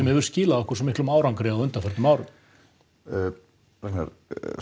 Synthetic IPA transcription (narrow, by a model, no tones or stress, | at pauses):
ɛmhɛvʏɾ̥scɪːlaðɔkɔ̥ɾsɛmɪhklɔmaːwɾawŋkɾɪawʏnt̪aɾfɛɾ̥t̪maːwɾʏ | ɾɛkna̰ɾ